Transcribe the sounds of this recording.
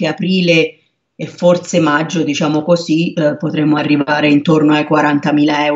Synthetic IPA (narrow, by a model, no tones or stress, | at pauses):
eapɾiːleː | fːorsemad͡ʒːod̪it͡ʃaːmokozipot̪ɾemːoarːivaːɾeint̪ornoajkwaɾant̪amiːlaɛw